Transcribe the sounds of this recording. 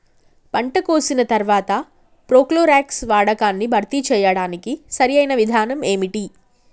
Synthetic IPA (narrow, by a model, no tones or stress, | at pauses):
pɐɳʈɐkoːsinɐt̪ɐɾʋaːt̪ɐ | pɾoːkloːɾaːksʋaːɽɐkaːnːibʱɐɾt̪it͡ʃɛːjɐɽaːnikisɐɾijɐjnɐʋid̪ʱaːnɐme̞ːmiʈi